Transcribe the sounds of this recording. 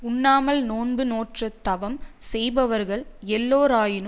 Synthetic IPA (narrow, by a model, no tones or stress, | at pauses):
ʊɳːaːmɐlnoːnbɯnoːʈrɐt̪ːɐʋɐmsɛjbɐʋɐɾɣɐɭɛlːoːɾaːjɪnɯ